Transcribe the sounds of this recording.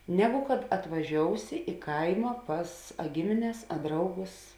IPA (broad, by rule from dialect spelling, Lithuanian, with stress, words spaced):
ˈnʲæːɡʊ kɐt ɐtʋɐˈʒʲoːʊsʲɪ ɪ ˈkɐɪmɐ ˈpɐs ɐ ˈɡʲɪmʲɪnʲɛs ɐ ˈdrɐʊˌɡʊs